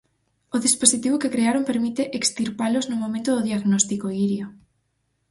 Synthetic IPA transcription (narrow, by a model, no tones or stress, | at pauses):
ʊðisposit̪iβ̞okekɾeaɾompeɾmit̪eʔekst̪iɾpalʊznʊmõmẽnt̪ʊðoðiaɣnɔst̪ikoiɾjo